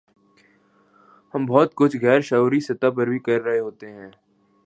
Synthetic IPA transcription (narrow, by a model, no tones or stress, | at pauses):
hɐmbɔːt̪kʊt͡ʃʰɣɛːɾʃaːuːɾisɪt̪ap̬əɾbʱikɐɾːɐɦeɦoːt̪eɦɛ̃ː